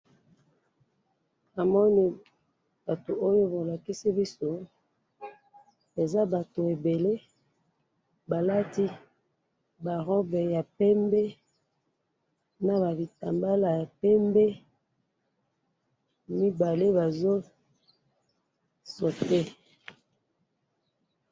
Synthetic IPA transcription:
a˨mɔ˦ni˦ | ba˨to˨ʔo˦jo˦bo˨la˨ki˦si˦bi˦so˦ | e˨za˦ba˨to˨e˨be˨le˦ | ba˨la˦ti˦ | ba˨ʁɔ˦bɛ˨ja˨pɛ˦mbɛ˦ | na˨ba˨bi˨ta˨mba˦la˨ja˨pɛ˦mbɛ˦ | mi˦ba˨le˦ba˨zo˦ | so˨te˦

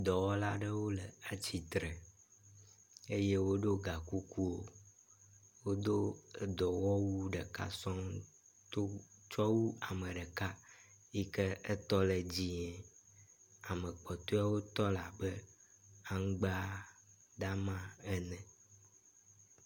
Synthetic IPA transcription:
d̪ɔ˨wɔ˦la˦ɖə˦wo˦lə˨a˦t͡ɕi˨t̪ɾɛ˨ | e˦je˦wo˦ɖo˦ɡa˨ku˦ku˦wo˦ | wo˦d̪o˦ə˨d̪ɔ˨wɔ˦wu˦ɖə˨ka̰˦sɔ̃˦ŋ | t̪o˦t͡ʃɔ˦wu˦a˨mə̃˨ɖə˨ka˦ | i˦kə˦ə˦t̪ɔ˦lə˨d͡ʑi˦ɲɛ̃˨ | a˨mə̃˨k͡pɔ˨t̪o˦a˦wo˦t̪ɔ˦la˨bə˦a˦ŋ˦ɡ͡ba˦ | ɖ̪a˦mã˦ɛ˦nɛ̃˨

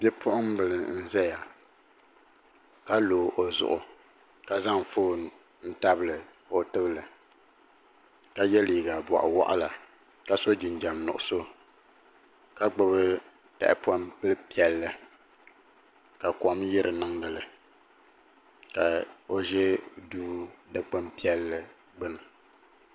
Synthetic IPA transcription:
bjɛ˦pʰʊ˦ʔʊ˦ŋm˦bɨ˨lɨ˨n̩˦zɛ˦ja˨ | ka˦loː˨ʔo˨zʊ̰˨ʔʊ˨ | ka˨za˦ŋ˨foː˦˨ | n̩˦ta˦bɨ˦lɨ˨ | o˨tɨ˦bɨ˦lɨ˨ | ka˨jɛ˦liː˨ɡa˨bɔ̰˨ʔa̰˨wɔ̰˦ʔa̰˦la˨ | ka˦so˦d͡ʒi˨n˨d͡ʒa˨mnʊ̰˨ʔʊ˨so˦ | ka˦ɡ͡bɨ˦bɨ˦ | tɛ̰˨ʔɪ˦pa˦mpɨ˦lɨ˦pi˦ɛ˨lːɨ˦ | ka˨kɔ˨mjɛ˦ɾɨ˨nɨ˦ŋdɨ˨lɨ˨ | ka˨o˦ʒɛ˦duː˦dɨ˦k͡pɨ˦mpi˦ɛ˦lːɨ˦ | ɡ͡bɨ˦nɨ˨

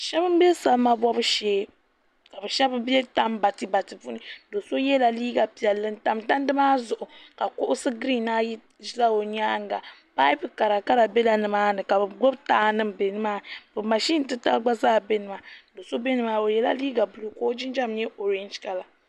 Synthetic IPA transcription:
ʃɛ˦bɨ˦m˦bɛ˦sa˨lma˦bɔ˦bɨ˦ʃeː˦ | ka˨bɨ˨ʃɛ˦bɨ˦bɛ˦ta˦m˦ba˨tɨ˦ba˨tɨ˨bu˦nɨ˦do˨so˦jɛ˦la˨liː˦ɡa˨pi˨ɛ˨lːɨ˦n˦ta˨mta˦n˦dɨ˦maː˦zʊ˨ʔʊ˨ka˨ko˦ʔʊ˦sɨ˦ɡɾi˦˨na˦ji˦ | ʒi˦la˦wo˨ɲaː˦ŋ˦˨ɡa˨pa˦jpɨ˦ka˨ɾa˨ka˦ɾa˨be˦la˨nɨ˨maː˦nɨ˨ka˨bɨ˨ɡo˦btaː˦nɨ˦m̩˨be˨nɨ˦maː˦bɨ˨ma˨ʃi˦n˨tɨ˦ta̰˦lɡ͡ba˦zaː˦˨be˦nɨ˨ma˨do˨so˦be˦nɨ˦ma˦o˨jɛ˦la̰˦liː˦ɡa˨bu˦lu˦koː˦d͡ʒi˦n˦d͡ʒa˦m˦ɛ˦ʔo˨ɾɛ˦nd͡ʒka˨la˨

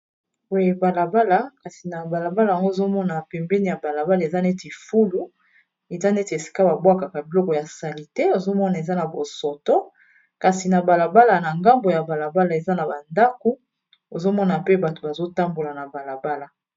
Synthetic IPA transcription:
wo˨je˨ba˨la˨ba˦la˨ka˨si˨na˨ba˨la˨ba˦la˨a˨ŋɡo˦o˨zo˦mɔ˦na˨pɛ˨mbɛ˦ni˦ja˨ba˨la˨ba˦la˨e˨za˦nɛ˦ti˨fu˦lu˦ | e˨za˦ne˦ti˨e˨si̥˨ka˦ba˨bwa˦ka˨ka˨bi˨lɔ˦kɔ˨ja˨sa˨li˨te˦o˨zo˦mɔ˦na˨e˨za˦na˨bo˨sɔ˨tɔ˦ | ka˨si˨na˨ba˨la˨ba˦la˨na˨ŋɡa˦mbo˨ja˨ba˨la˨ba˦la˨e˨za˦na˨ba˨nda˦ko˦ | o˨zo˦mɔ˦na˨pe˦ba˨to˨ba˨zo˦ta˦mbo˨la˨na˨ba˨la˨ba˦la˨

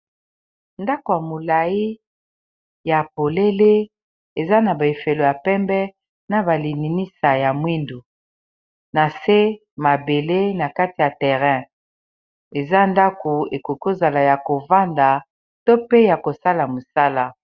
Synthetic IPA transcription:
nda˦ko˨ja˨mo˨la˨i˦ | ja˨po˨le˦le˦ | e˨za˦na˨ba˨e˨fe˨lo˨ja˨pɛ˦mbɛ˦ | na˨ba˨li˨ni˨ni˦sa˨ja˨mwi˦ndo˨ | na˨se˦ | ma˨be˨le˦na˨ka˦ti˨ja˨tɛ˨ʁɛ̃˦ | e˨za˦nda˦ko˨e˨ko˨ko˦za˨la˨ja˨ko˨va˦nda˨ | to˦pe˦ja˨ko˨sa˦la˨mo˨sa˦la˦

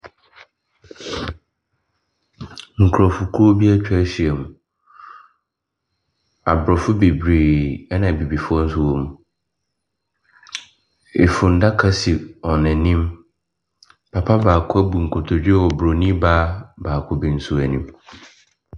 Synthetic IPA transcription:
ŋ̩˨kʰɾɔ˨fʊ˨kʰu˦ɾo˦bi˦a˦t͡ɕᶣɛ˦ɕi˨ɛ˨mũ˨ | a˨bɾɔ˨fʊ˦be˨bɾi˨ɛ˦nã˨bi˨bi˨fʊ˦ɔ˦n̩˦sʊ˦wɔ̃˦m˦ | ɪ˨fʊ̃˨n̩˨da˦kʰa˦si˨ɔ˨nɛ̃˨nĩ˦m | pʰa˨pʰa˦baː˨kʰʊ˦æ˦bu˨ŋ̩˨kʰo˨tʰo˨d͡ʑᶣɛ˦wɔ˨bɾo˨nĩ˦baː˦baː˨kʰʊ˦bi˨n̩˦sʊ˦æ˨nĩ˦m

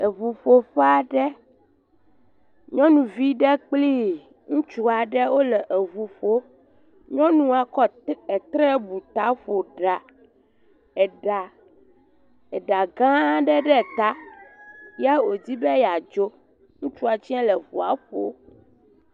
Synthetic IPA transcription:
e˨vu˨ɸo˨ɸɛ˦a˨ɖɛ˦ | ɲɔ̃˦nũ˨vi˦ɖɛ˦k͡pli˦ | ŋũ˦t͡ʃu˦a˨ɖɛ˦wo˦lɛ˨ʔe˨vu˨ɸo˦ | ɲɔ̃˦nũ˦a˨kɔ˦e˨t̪ɾɛ˦bu˨t̪a˨˦ɸo˨ɖa˨ | ɛ˨ɖa˨ | e˨ɖa˨ɡã˦ɖɛ˦ɖɛ˦˨t̪a˦ | ja˦wo˨d͡ʑi˦bɛ˦ja˨d͡ʒo˦ | ŋũ˦t͡ʃu˦a˨t͡ɕi˦ã˦lɛ˨vu˨a˨ɸo̰˨

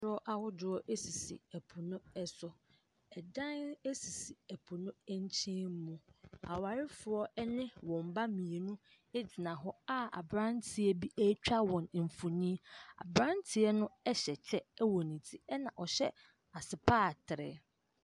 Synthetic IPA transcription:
ɔ˦ʔa˨wʊ˦dʊ˨˦ɔ˦ʔe˦si˨sḭ˨æ˨pʰu˨nʊ̃˦ɛ˦sɔ˨ | ɛ˨dã˦ne˦si˨si˨æ˨pʰu˨nʊ̃˦ɲ˦t͡ɕʰɛ̃˦m˦mũ˦a˨wa˨ɾɪ˦fʊ˨ɔ˦ɛ˦nɪ̃˦wɔ̃˨m̩˨ba˦mĩ˨e˨nũ˦ | e˦d͡ʑɪ˨nã˨ɦɔ˦a˦a̰˨bɾã˦n˦tʰi˨ɛ˦bi˦ʔæ˦t͡ɕᶣa˦wɔ̃˨n˨m̩˨fu˨nĩ˦a̰˨bɾã˦ntʰɪ˨ɛ˦nʊ̃˦ɛ˦ɕɛ˨t͡ɕʰɛ˦ɛ˦wɔ˨nĩ˨tʰi˦ɛ˦nã˨ʔɔ˨ɕɛ˦ | a˨sɪ˨pʰaː˦˨tʰɪ˨ɾɪ̰˨

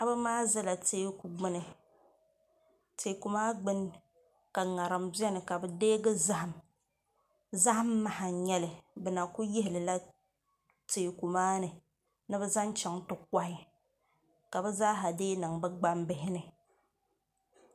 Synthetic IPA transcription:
a˦bɨ˦maː˦zɛ˦la˨teː˦ku˨ɡ͡bɨ˦nɨ˨ | te˨ku˨maː˦ɡ͡bɨ˦n | ka˨ŋa˨ɾɨ˨mbɛ˦nɨ˨ka˨bɨ˨deː˦ɡɨ˦za˦ha˨m | za˦ʔmː˦a˨ha˨ɲɛ˦lɨ˨bɨ˨na˨ku˦jɪ˦hɪ˨lɨ˨la˦ | teː˨ku˨maː˦nɨ˨ | nɨ˦bɨ˦za˦nt͡ʃɛ˨ŋtʊ˨k̚ʷːa˦ɪ˦ | ka˨bɛ˦zaː˦ɦa˨deː˦nɨ˨ŋbɨ˦ɡ͡ba˦mbɪ˦hɪ˦nɨ˨

